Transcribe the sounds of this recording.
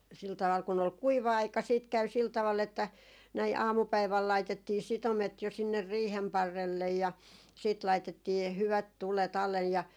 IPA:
sil tɑʋ̆ɑl kun ol kuiʋɑ ɑikɑ siːt kæy sil tɑʋɑl etːæ næi ɑːmupæiʋæl lɑitetːiː sitomet jo sinːer riːhem pɑrːelːej jɑ siːt lɑitetːiː h hyʋæt tulet ɑlːej jɑ

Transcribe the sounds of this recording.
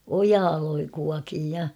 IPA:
ojɑː loi kuɑkiːj jɑ

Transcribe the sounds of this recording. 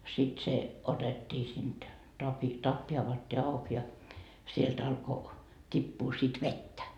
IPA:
sit se otetːiː sind̥ tɑpi tɑpːi ɑʋɑtːiː ɑuk jɑ sielt ɑlko tʲipːuː sit ʋetːæ

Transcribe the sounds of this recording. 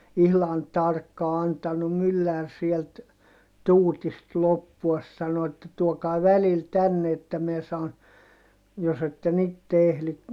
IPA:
ihlɑn tɑrkːɑː ɑntɑnum mylːær sielt tuːtist lopːuɑs sɑno etːæ tuokɑi̯ ʋælil tænːe etːæ miɛ sɑːn jos etːen itːe ehli

